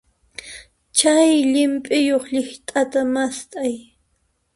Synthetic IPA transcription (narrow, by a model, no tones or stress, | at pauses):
t͡ʃajʎɪmpʼɪjoχʎɪht̪ʼat̪amast̪ʼaj